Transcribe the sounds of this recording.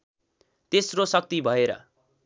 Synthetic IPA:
t̪esrosʌk̚t̪ibʱʌeɾʌ̰

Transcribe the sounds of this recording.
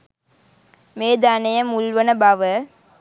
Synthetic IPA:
meːd̪anɐjɐmulʋɐnɐbɐʋɐ

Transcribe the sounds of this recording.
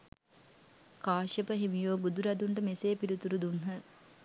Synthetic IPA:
kaːʃəpəɦiʋijoːbud̪uɾɐd̪uɳʈəmeseːpiɾit̪uɾud̪unɦə

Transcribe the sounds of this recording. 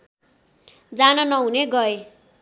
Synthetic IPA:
d͡zanʌnʌɦuneɡʌe

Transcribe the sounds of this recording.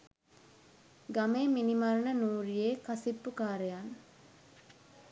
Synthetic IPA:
ɡameːminimɐɾnənuːɾijeːkɐsipːukaːɾejan

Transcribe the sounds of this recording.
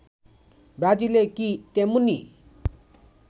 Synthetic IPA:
bad͡zilekit̪emuni

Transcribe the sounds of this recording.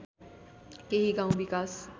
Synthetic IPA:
keɦiɡãũbikaːs

